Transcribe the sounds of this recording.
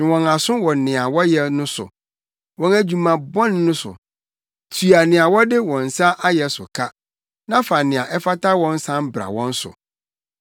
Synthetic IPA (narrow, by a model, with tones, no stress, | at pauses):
nɪ̃˨wɔ̃˨na˨sʊ̃˦wɔ̃˨nɪ̃˨a˨wɔ˦jɛ˨nʊ̃˦sʊ̰˨ | wɔ̃˦næ˨d͡ʑu˨mã˨bɔ̃˦nː˦ʊ̃˦sʊ̰˨ | tʰu˨a˨nɪ̃˨a˨wɔ˦dɪ˦wɔ̃˨n̩˨sa˦ʔa˦jɛ˨sʊ̰˨kʰa˦ | nã˦fa˨nɪ̃˨a˨ʔɛ˦fa˦tʰa˦wɔ̃˦n̩˦sã˦m˦bɾa̰˨wɔ̃˦n̩˦sʊ̰˨